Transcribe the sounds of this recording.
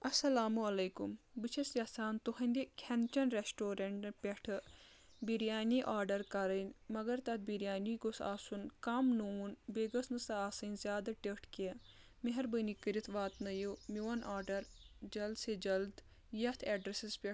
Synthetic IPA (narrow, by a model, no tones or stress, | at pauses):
ɐsɐlaːmuɐlɐjkumbɨt͡ʃʰɐsʲjɐsaːnt̪uhɐnʲd̪ikʰɐnt͡ʃɐnɾesʈoːɾɐɳʈpʲeʈʰɨ | biɾjaːniʔaːɾɖɐɾkɐɾənʲmɐɡɐɾt̪ɐt̪̚biɾjaːniɡosa̰ːsunkɐmnunbeːɡɐsnɨsɐaːsɐnʲzjaːd̪ɐʈekʈʰke | meɦɐɾbənikɨɾit̪ʰʋaːt̪nɐjumiwɐnaːɾɖɐɾd͡ʒɐld̪sed͡ʒɐld̪ | jɐt̪ʰɛːɖɾesispʲe